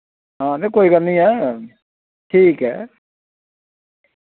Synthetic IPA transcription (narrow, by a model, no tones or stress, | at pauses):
ɦãːnekoːikəɾnĩːɛː | ʈʰiːkɦɛ̰ː